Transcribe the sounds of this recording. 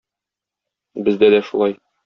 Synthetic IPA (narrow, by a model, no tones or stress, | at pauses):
bɘ̆zd̪æd̪æʃulˠɑj